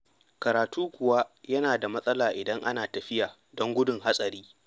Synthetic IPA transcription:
kɐ˨ɾaː˨tuː˦kʷʊ˨wa˦jɐ˦naː˨da˨mɐ˦sʼɐ˦laː˨ʔɪ˨dɐ˦ŋʔa˦naː˨tɐ˨ɸɪ˦jaː˨ | dɔ˦ŋɡʷʊ˦dʊ˨ŋɦa˦sʼɐ˨ɾiː˦

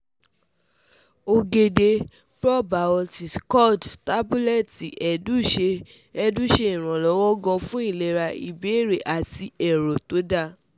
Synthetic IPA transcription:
o˧ɡe˧de˧ | pɾɔ˦˨ba˨ɔ˧ti˨skɔ˦˨dta˦bu˦lɛ˦˨ti˨ʔɛ˨du˦˨ʃe˧ | ɛ˧dũ˦˨ʃe˧ĩ˨ɾ̃ɔ̃˨lɔ˨˦wɔ˦ɡɔ̃˧fũ˦i˦˨le˨ɾa˧i˨be˨˦˨ɾe˨ʔa˨ti˧ɛ˨ɾo˨to˨˦da˦˧˨

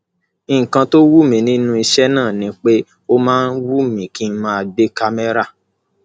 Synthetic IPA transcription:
ĩ˦˨kã˧to˦wu˦mĩ˨nĩ˦nũ˦i˧ʃɛ˦nãː˦˨nĩ˨˦k͡pe˦ | o˦mãː˦n̩˦wu˦mĩ˨kĩ˦mã˦a˧˨de˦ka˧me˦ɾa˦˨

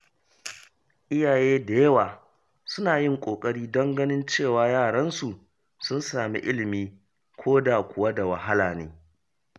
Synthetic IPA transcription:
ʔɪ˦jaː˨jeː˦da˨jɐ˦waː˨ | sʊ˦naː˨jɪ˦ŋkʷʼoː˨kʼɐ˦ɽiː˦dɐ˦ŋɡɐ˦nɪ˦nt͡ʃeː˦˨waː˦jaː˦˨ɽɐ˦nsu˨ | sʊ˦nsaː˨mḭ˦ʔɪ˦lɪ˨miː˦ | kʷʰoː˦da˨kʷʊ˨wa˦da˨wɐ˨ɦa˦laː˨nḛː˦

